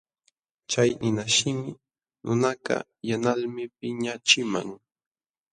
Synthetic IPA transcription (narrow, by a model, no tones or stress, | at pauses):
t͡ʃajnɪnaʃɪmɪ | nʊnakɑ̰janalmɪp̚ɪɲat͡ʃɪmaŋ